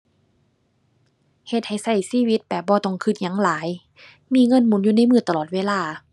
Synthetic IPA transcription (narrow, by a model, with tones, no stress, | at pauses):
he˧˦t̪̚ha˨˩jsa˧˩jsiː˧˨wi˧˦t̪̚pɛː˧˩bɔː˧˦t̪ɔ˧˩˨ŋkʰɯ˧˩t̪̚ɲa˧˦ŋlaː˨˦j | miː˧˥˨ŋɤ˧˥˨nmu˨˦njuː˧na˧˥˨jmɯː˧˩t̪a˧lɔː˨˩t̪̚weː˧˥˨laː˧˩˨